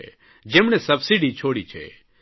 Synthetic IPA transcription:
d͡ʒemɳesɐbsiɖit͡ʃʰoːɽit͡ʃʰɛ̰

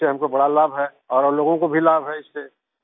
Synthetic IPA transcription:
eɦɐmkobɐɽalaːbɦɛː | ɔːɾɐloːɡõkobʱilaːbɦɛɪsːe

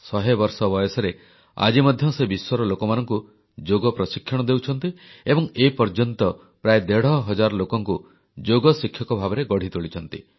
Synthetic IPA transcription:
sɔɦebɔɾsɔbɔjɔsɔɾe | a̰d͡ʒimɔd̪ʱjɔsebiswɔɾɔlokɔmanɔŋku | d͡ʒoɡɔpɾɔsikʰːjɔɽ̃ɔd̪ewt͡ʃʰɔnt̪iebɔŋepɔɾd͡ʒɔnt̪ɔ | pɾaed̪eɽ̤ɔɦɔd͡ʒaɾɔlokɔŋku | d͡ʒoɡɔsikʰjɔkɔbʱabɔɾeɡɔɽ̤it̪uɭit͡ʃʰɔn̪t̪i

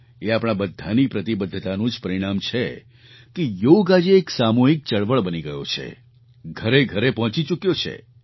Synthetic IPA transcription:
eapɳ̃abəd̪ʱːanipɾət̪ibəd̪ʱːət̪anũd͡ʒpəɾiɽ̃amt͡ʃʰe | kejoɡad͡ʒeːksamoɦik̚t͡ʃəɭʋəɭbəniɡəjo̰t͡ʃʰḛ | ɡʱəɾeɡʱəɾepɔɦɔ̃t͡ʃit͡ʃukjot͡ʃʰḛ

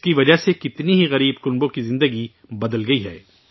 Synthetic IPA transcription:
skiʋɐd͡ʒaɦsekɪt̪niɦiɣɐɾiːbkʊnbõkizɪ̃nd̪əɡi | bɐd̪əlɡɐiɦɛː

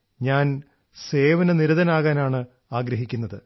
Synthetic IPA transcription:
ɲaːn | se̞ːʋɐnɐniɾuðɐnaːɣaːnaːɳɨ | aːɡɾɐɦikʲːunːɐðɨ

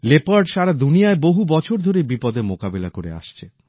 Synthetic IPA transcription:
lepaɾɖʃaɾad̪unijaeboɦubɔt͡ɕʰoɾd̪ʱoɾebipɔd̪emokabelakoɾḛa̰ʃt͡ɕʰe

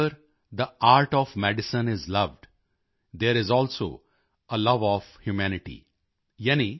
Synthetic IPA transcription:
əɾ | d̪əʔaːɾʈɔːʋmɛɖɪsə̃nɪzlʌʋɖ | d̪eːɾɪzɔːlso̰ː | əlʌʋɔːfhjumænɪʈḭ | jɛni

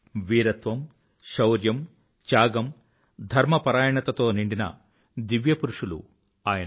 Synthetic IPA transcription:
ʋiːɾɐt̪ʋɐm | ʃɐwɾjɐm | t͡ʃaːɡɐm | d̪ʱɐɾmɐpɐɾaːjɐɳɐt̪ɐt̪o̞ːniɳɖinɐ̰ | d̪iʋjɐpuɾuʂulṵ | aːjɐ

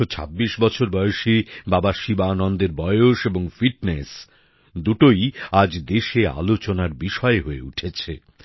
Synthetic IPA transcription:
ot͡ɕʰa̰bːiʃbɔt͡ɕʰoɾbɔeoʃibabaʃibanɔnd̪eɾbɔeoʃeboŋfiʈ̚nes | d̪uʈojad͡ʑd̪eʃea̰lot͡ɕonaɾbiʃɔeɦoeuʈʰet͡ɕʰe

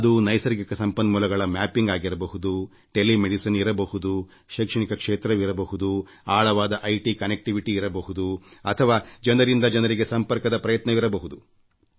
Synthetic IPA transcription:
ɐd̪unɐjsɐɾɡikɐsɐmpɐnmuːlɐɡɐɭɐmaːpiŋɡaːɡiɾɐbɐɦud̪u | ʈe̞limeɽisɐniɾɐbɐhud̪u | ʃɐːkʂɐɳikɐkʂeːt̪ɾɐʋiɾɐbɐhud̪u | aːɭɐʋaːd̪ɐʔɐjʈikɐnek̚ʈiʋiʈiːɾɐbɐhud̪uɐt̪ʰɐʋaːd͡ʒɐnɐɾind̪ɐd͡ʒɐnɐɾiɡe̞sɐmpɐɾkɐd̪ɐpɾɐjɐt̪nɐʋiɾɐbɐɦud̪u

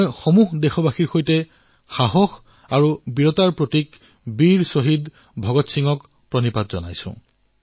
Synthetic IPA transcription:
jxɔmuɦdexɔbaxiɹxojtɛ | xaɦɔx | aɹubiɹɔtaɹpɹotik | biɹsoɦid | bʱɔɡɔtsiŋɔk | pɹɔnipatzɔ̰na̰jsʊ̰̃

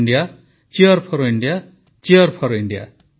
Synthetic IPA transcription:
ɳɖija | t͡ʃiʌɾpʰɔɾoiɳɖija | t͡ʃiʌɾpʰɔɾoiɳɖija̰

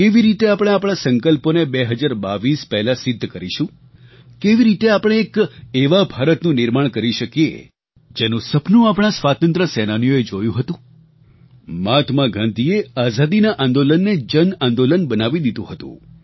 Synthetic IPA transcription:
keʋiɾit̪eapɽ̃ẽapɽ̃asə̃ŋkəlponebeɦəd͡ʒaɾbaʋispɛɦɛlasɪd̪ʱːkəɾiʃũ | keʋiɾit̪eapɽ̃eːkeʋabʱaɾət̪nũnɪɾmaɳ̃kəɾiʃəkijḛ | d͡ʒenũsəpnũapɽ̃asʋat̪ənt̪ɾəsɛnanijoed͡ʒojũɦət̪ũ | mat̪ʰmaɡʱãnd̪ieazad̪inaʔãnd̪olənːed͡ʒənãnd̪olənbənaʋid̪id̪ũɦət̪ṵ̃

